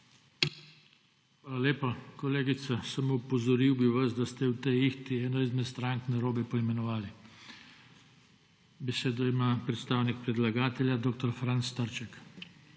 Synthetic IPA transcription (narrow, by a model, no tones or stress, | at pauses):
xʋaːlaleːpakɔleːɡit̪sasamoupɔzɔɾiwbiʋasd̪ast̪ɛwt̪ɛjixt̪iɛːnɔizmɛt̪st̪ɾaŋk̪nɛɾoːbɛpɔimɛnɔʋaːli | bɛseːd̪ɔimapɾɛt̪st̪aːwnik̚pɾɛd̪laɡaːt̪ɛljad̪oːk̚t̪ɔɾfɾanst̪aɾt͡ʃɛk